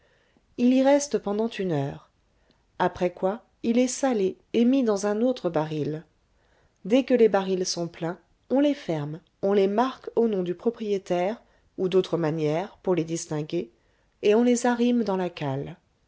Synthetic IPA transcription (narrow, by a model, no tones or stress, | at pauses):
iliʁɛst̪pɑ̃d̪ɑ̃t̪ynœːʁ | apχɛkwa | ilɛsale | emid̪ɑ̃zɛ̃not̪χəbaʁil | d̪ɛkəlebaʁilsɔ̃plɛ̃ | ɔ̃lefɛʁm | ɔ̃lemaʁkonɔ̃d̪ypχɔpχijet̪ɛʁ | ud̪ot̪χəmanjɛʁpuʁled̪ist̪ɛ̃ɡʲe | eɔ̃lezaʁimd̪ɑ̃lakal